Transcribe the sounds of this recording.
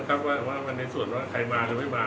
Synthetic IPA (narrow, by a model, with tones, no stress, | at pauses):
kʰa˦˥p̚waː˥˩ɛ˨˩waː˥˩ma˧nːa˧jsu˨˩ənwaː˥˩kʰa˧jmaː˧ɾaː˧ma˥˩jmaː˧